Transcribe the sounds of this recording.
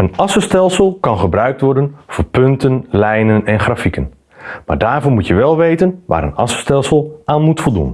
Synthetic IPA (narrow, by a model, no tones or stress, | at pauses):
ənɑsəstɛlˠsəlˠkɑnχəbrœɥk̚tʋɔɹdənvoːɹpɵntənlɛjnənɛnχrafikən | ma̰ːɹdaːrvoːmutjəʋɛlˠʋejtənʋa̰ːɾənɑ̰sə̥stɛlˠsəlˠaːnmutfolˠdṵn